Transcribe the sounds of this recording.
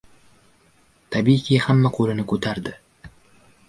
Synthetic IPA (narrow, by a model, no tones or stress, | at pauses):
t̪ʰabijkʲʰihamːaqʰolɪnɪkʰɵt̪ʰaɾd̪ɪ